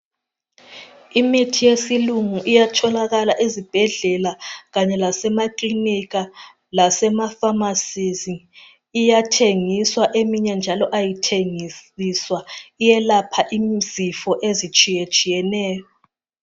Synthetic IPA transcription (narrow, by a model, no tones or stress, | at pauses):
imitʰijesiluŋuʔijatʰɔlaɣalaʔezib̥ʱɛɮɛlaɣaɲɛlasɛmaklinik̬a | lasɛmafamasiziː | jatʰeŋiswaʔemiɲɛnd͡ʒʱalɔʔajitʰeŋisiswaijɛlapʰaʔimzifɔʔezit͡ʃʼijet͡ʃʼijɛnɛːjɔ